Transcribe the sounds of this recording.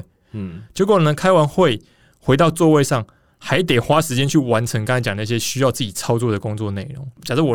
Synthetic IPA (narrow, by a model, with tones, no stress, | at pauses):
t͡ɕjʊkʰo˥˩nə˧˦kʰa˥ɪwa˧˦nxwe˥˨ɪ | xwe˧˥ɪt̪ɑ˥˧ʊt͡swɔ˥˧we˥˧ɪʂɑ˥˩ŋ | xa˧˥ɪt̪e˨˩ɪxwa˦˥ʂɻ̩˧˥t͡ɕjɛ˥nt͡ɕʰy˥˩wa˧˦˥nʈ͡ʂʰɤ˧˥ŋka˥ŋa˧˥t͡ɕjɑ˨˩ŋd̪ə˧˥˧ɕjɛ˦˥ɕy˥jɑ˥˧ʊt͡sɹ̩˥˩t͡ɕi˨˩t͡sʰɑ˥ʊt͡swɔ˥˩d̪ə˩kʊ˦ŋt͡swɔ˥˧ne˥˩ɪɻʊ̰˨˧˦ŋt͡ɕjɑ˨˩ʂə˥˩w